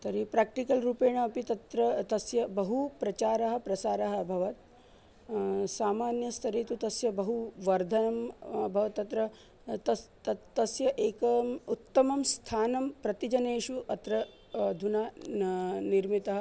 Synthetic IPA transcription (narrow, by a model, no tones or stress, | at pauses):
t̪ɐɾipɾaːk̚ʈikɐlɾuːpeːɳ̃ɐɐpit̪ɐt̪ɾɐt̪ɐsjɐbɐɦupɾɐt͡ʃaːɾɐɦɐ̆pɾɐsaːɾɐɦɐ̆bʱɐʋɐt̪̚ | saːmaːnjɐst̪ʰɐɾeːt̪ut̪ɐsjɐbɐɦuʋɐɾd̪ʱɐnɐmbʱɐʋɐt̪ːɐt̪ɾɐ | t̪ɐt̪ɐt̪ːɐsjɐʔeːkɐmut̪ːɐmɐmst̪ʰaːnɐmpɾɐt̪id͡ʒɐneːʃuʔɐt̪ɾɐ | d̪ʱunaː | niɾmit̪ɐɦɐ